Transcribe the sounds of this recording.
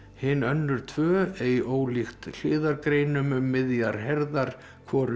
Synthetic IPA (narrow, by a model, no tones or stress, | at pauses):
hɪnːœnːʏɾ̥t̪ʰv̥œːejoːwlixt̪l̥ɪːðaɾkɾeːjnʏmʏmːɪðjaɾ̥ɦɛɾðaɾ̥ | kʰvɔːɾʏ